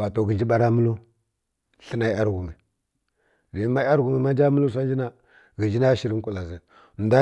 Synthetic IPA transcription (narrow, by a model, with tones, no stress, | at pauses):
wa˨to˨ɡi˨nd͡ʒi˦ɓa˦ɾa˦mu˦lu˦ | ɬi˦na˦a˦ɾɡu˨mi˨ | di˨˦ma˦a˦ɾɡu˨mi˨ma˦nd͡ʒa˦mu˦lu˦s̬a˦nd͡ʒi˦na˦ | ɡə˨nd͡ʒi˦na˦ʃi˨ɾi˦n˦ku˨la˨zə˨ | nda˦